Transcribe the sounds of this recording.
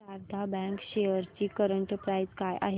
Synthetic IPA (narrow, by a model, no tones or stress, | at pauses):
aɾt̪ʰabɛ̃ŋkɕeəɾt͡ɕiːkəɾəɳʈəpɾajd͡zkajʔa̰ɦe